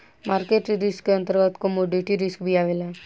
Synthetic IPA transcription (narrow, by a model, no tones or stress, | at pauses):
maːɾkeʈɾɪskːeə̃nt̪əɾɡət̪komoɖeʈiɾɪskbʱiaːʋelɛ